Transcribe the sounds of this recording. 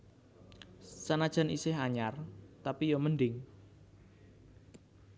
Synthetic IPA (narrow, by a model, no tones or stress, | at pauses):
sanad̥ʒ̥a̤nḭsɪhaɲart̪apijomənɖɪŋ